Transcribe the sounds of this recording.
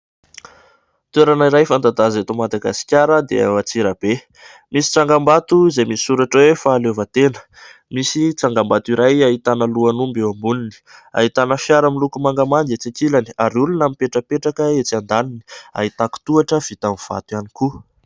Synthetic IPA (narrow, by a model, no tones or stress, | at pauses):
t̪weɾanaiɾajfand̪ad̪azet̪omad̪aɡasi̥kʲaɾəd̪ḛa̰wat͡siɾəb̥e | misi̥t͡saŋɡambat̪uizejmisi̥suɾaʈ͡ʂwefaːlevət̪enə̥ | misit͡saŋɡambat̪iɾajaɦit̪anəluanumbewambunini̥a̰ɦit̪anəfjaɾəmilukumaŋɡamand̪et͡sakilaniaɾulunamipeʈ͡ʂəpeʈ͡ʂakəet͡sand̪anini̥a̰ɦit̪aku̥t̪uaʈ͡ʂəv̥it̪amiv̥a̰t̪uaniku